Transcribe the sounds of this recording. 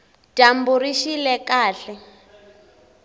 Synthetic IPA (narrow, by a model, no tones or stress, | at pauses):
d̥ʱambuɾiʃilɛkaːɬɛ